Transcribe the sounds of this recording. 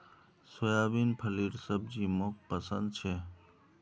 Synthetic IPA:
sojaːbiːnpʰəliːɾsəb̚d͡ʒiːmok̚pəsə̃nd̪̚t͡ʃʰeː

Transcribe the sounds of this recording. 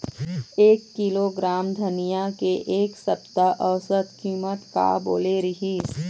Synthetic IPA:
eːkːiloɡɾaːmd̪ʱɐnijakeʔeːksɐpt̪aʔɔːsət̪kiːmət̪ka̰bo̰ːleɾɪɦiːs

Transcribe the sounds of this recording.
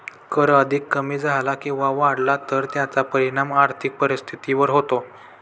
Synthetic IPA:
kəɾəd̪ʱikːəmiːd͡zʱalakĩw̃ʋaʋaɽlat̪əɾt̪jat͡sapəɾiɽ̃amaɾt̪ʰik̚pəɾist̪ʰit̪iʋəɾɦot̪o

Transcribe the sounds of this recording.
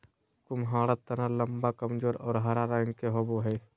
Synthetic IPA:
kʊmɦaːɽət̪ːɐnalɐmbakɐmd͡ʒoːɾɔːɾɦɐɾaɾãːŋɡkeɦoboɦɛj

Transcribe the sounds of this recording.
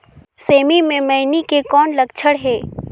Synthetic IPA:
seːmimẽmɐɪnikekɔːnlɐɡt͡ʃʰəɽɦɛː

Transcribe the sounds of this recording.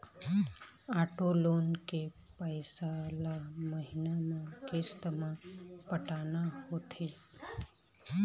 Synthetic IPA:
aːʈoloːnke | pəɪsalaməɦɪnamãkest̪əmãpəʈaːnahoːt̪ʰe

